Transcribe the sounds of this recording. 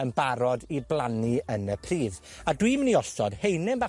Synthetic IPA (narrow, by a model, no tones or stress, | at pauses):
ənbaɾɔdiblˠaniənəpʰriːð | adwiːməniɔstɔd̥hejnɪmba